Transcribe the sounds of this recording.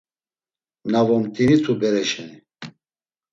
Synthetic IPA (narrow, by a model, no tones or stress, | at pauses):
navɔmt̪ʼinit̪ʰubɛɾɛʃɛni